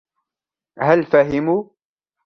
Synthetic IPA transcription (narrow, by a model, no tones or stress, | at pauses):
halfaɦɪmuː